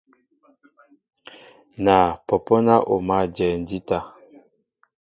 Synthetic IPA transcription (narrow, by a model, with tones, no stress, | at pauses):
na˨pɔ˨pɔ˦na˦ʔo̰˨ma˦˨d͡ʒɛ˨n˦di˦ta˦